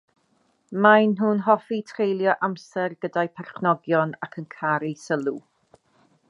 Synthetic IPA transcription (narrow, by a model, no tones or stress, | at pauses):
majnɦuːnɦɔfitʰrejlˠjɔʔamsɛrɡədajpʰɛrχnɔɡjɔnakʰənkʰaɾisəlˠu